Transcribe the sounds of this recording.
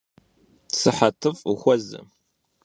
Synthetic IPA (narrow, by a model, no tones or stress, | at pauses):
sɨħɐtʰɨfʼuxʷɔzɨ̰